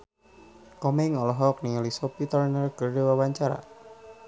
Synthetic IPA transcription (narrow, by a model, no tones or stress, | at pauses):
kɔmɛŋɔlɔɦɔk̚niŋalisɔpit̪ərnərkərdewawaɲt͡ʃaɾa̰